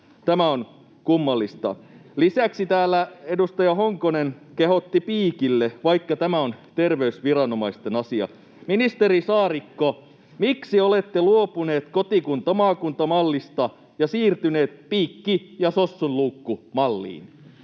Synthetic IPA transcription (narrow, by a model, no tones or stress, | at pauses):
t̪æmæon | kumːɑlːist̪ɑ̰lisæksit̪æːlːæedust̪ɑjɑhoŋkonenkeɦo̞t̪ːipiːkilːeʋɑikːɑt̪æmæont̪erʋeysʋirɑnomɑist̪enɑsiɑ̰ | minist̪eɾisɑːrikːo | miksiolet̪ːeluopuneːt̪kot̪ikunt̪ɑmɑːkunt̪ɑmɑlːist̪ɑ | jɑsiːrt̪yneːt̪piːkːijɑsosːunluːkːumɑlːḭːn